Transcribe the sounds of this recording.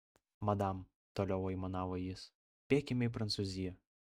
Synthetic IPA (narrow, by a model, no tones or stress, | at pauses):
mɐd̪ɐm | t̪oːlʲɛʊɐɪmɐnɑːʋojɪs | pʲeːkʲɪmʲɛɪpɾɐnt̪suzʲɪjɛ